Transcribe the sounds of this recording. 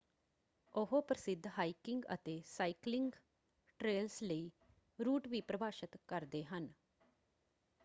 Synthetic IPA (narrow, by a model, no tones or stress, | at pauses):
ʊɦoːpɾəsɪd̪ʱːɦaːikɪŋɡə̰t̪eːsaːiklɪŋɡ | ʈɾeːlsləiː | ɾuːʈʋiːpɾəbaːʃət̪kəɾd̪eːɦən